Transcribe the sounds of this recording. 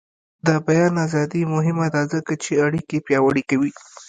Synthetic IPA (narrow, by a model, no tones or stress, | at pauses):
d̪abajɑnazɑd̪imʊɦɪmad̪ɑzəkat͡ʃeaɽikepjɑwaɽikawi